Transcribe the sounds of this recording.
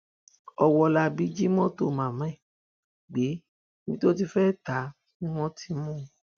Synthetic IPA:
ɔ˧wɔ˧la˧bi˨˦d͡ʒi˦mɔ̃˦to˦˨mã˨mɛ̃˨˦˨ | ɡ͡be˨˦ | ĩ˦to˦t̬i˧fɛ˦ta˨˦ | nĩ˦w̃ɔ̃˦tʰi˧mũ˦˧

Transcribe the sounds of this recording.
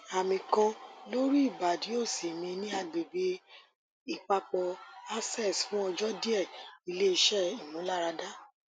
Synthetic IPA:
a˨mĩ˨kã˧lo˦ɾi˦i˦˨ba˨di˨˦o˦˨si˨mĩ˧nĩ˦a˧ɡ͡be˨be˨˦ | i˦˨k͡pa˧k͡pɔ˧a˦sɛ˦˨sfũ˨˦ɔ˧d͡ʒɔ˦di˦ɛ˦˨i˧le˦i˧ʃɛ˦˨i˨nũ˨˦la˦ɾa˧da˦

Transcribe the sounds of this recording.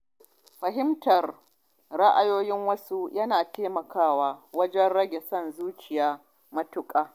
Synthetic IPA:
ɸɐ˨ɦɪ˦mtɐ˨r | ɽa˦ʔa˨joː˦jɪ˦ŋwɐ˦su˦jɐ˦naː˨teː˦mɐ˨kaː˦˨waː˦wɐ˦d͡ʒɛ˦nɽɐ˦ɡʲe˨sɐ˦nzuː˦t͡ʃɪ˨jaː˦ | mɐ˦tʊ˦kʼaː˦

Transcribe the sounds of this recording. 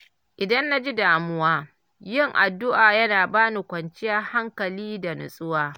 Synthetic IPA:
ʔɪ˨dɐ˦nːa˦d͡ʒi˦daː˨mʊ˦waː˦ | jɪ˦˨ŋʔa˨dːʊ˦ʔaː˨jɐ˦naː˨baː˦nu˨kʷɐ˨nt͡ʃɪ˦ja˦ha˦ŋkɐ˨liː˦da˨nʊ̰˨sʼʊ˦waː˦

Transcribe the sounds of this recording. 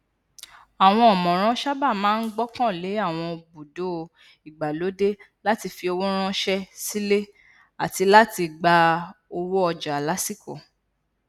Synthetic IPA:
a˨w̃ɔ̃˧ɔ˨mɔ̃˨ɾ̃ã˦ʃa˦ba˦˨mãː˨˦n̩˦ɡ͡bɔ˦kã˦˨le˨˦a˦˨w̃ɔ̃˧bu˨do˨˦˧ | i˨ɡ͡ba˨lo˨˦de˦ | la˦ti˧fi˧o˧wo˦ɾ̃ã˦ʃɛ˦si˦le˦ | a˨ti˧la˦ti˧ɡ͡ba˧o˧wo˦ɔ˧d͡ʒa˨la˨˦si˦˨ko˨

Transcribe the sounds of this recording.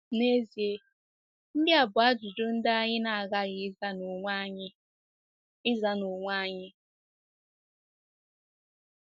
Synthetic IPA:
ne˦zi˨e˦ | n̩˦dɪ˦a˨bʊ˨a˦d͡ʒu˨d͡ʒʊ˦n̩˦da˦a˦ɲɪ˦na˨a˨ɣa˦ɣɪ˨˦˨ɲ˦ | ɪ˦za˨no˨ŋʷa˦˨˦ɲɪ˦

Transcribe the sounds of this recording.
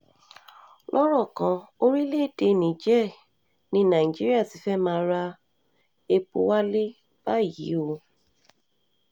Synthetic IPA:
lʔɔ˦ɾɔ˦˨kã˨˦o˦ɾi˦le˦˨te˧nĩ˨d͡ʒɛ˦˨ | nĩ˦nã˨i˨d͡ʒi˦ɾi˦a˦˨ti˨˦fɛ˦mãː˧˦ɾa˧ | e˧k͡po˧wa˦le˦ | b̥a˦˨jḭ˨˦o˧

